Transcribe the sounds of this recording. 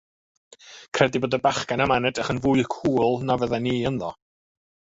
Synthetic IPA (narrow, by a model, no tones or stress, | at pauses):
kʰrɛdiboːdabaχkanamanɛdəχənvuɨkʰuːlˠnavəðɛniːənðɔ̰